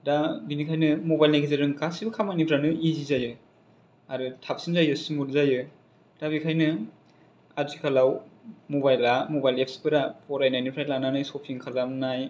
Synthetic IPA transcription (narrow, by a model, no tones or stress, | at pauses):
dabinikʰajnɯmobajlnakʰezeɾɯŋkasibɯkʰamanipɾanɯizizajɯ | aɾɯtʰap̚sinzajɯsimuɾzajɯ | d̥abikʰajnɯ | atikʰalawmobajlamobajlep̚spʰɯɾapʰɔɾajnajnipʰɾajlananajsopʰiŋkʰalanaj